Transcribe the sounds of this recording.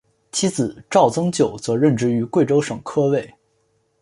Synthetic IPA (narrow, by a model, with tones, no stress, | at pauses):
t͡ɕʰi˥t͡sɹ̩˨˩˦ʈ͡ʂɑ˥˩ʊt͡sɤ˥ŋt͡ɕjo˨˩ʊt͡sɤ˧˥ɻə˥˩nʈ͡ʂɻ̩˥y˧˥kwe˥˩ɪʈ͡ʂo˥ʊʂɤ˨˩ŋkʰɤ˥we˥˩ɪ